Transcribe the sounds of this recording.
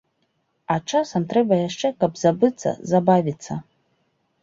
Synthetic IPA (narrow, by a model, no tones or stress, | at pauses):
aʈ͡ʂʰasɐmt̪rɛbɐjaʂt͡ʂɛkabzabɨt͡sʰːɐ̰zabavʲit͡sːɐ